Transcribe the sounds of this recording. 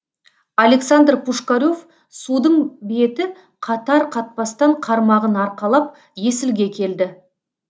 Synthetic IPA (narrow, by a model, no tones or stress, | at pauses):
ale̞ksand̪rpʰuʃkaɾʲo̞f | sud̪əɴbe̞t̪ɪ | qʰɑt̪ɑɾqʰɑt̪̚pɑst̪ɑɴqʰɑɾmɑʁənɑɾqɑlˠɑp̚ | je̞sɪlɡʲe̞kʲʰe̞ld̪ɪ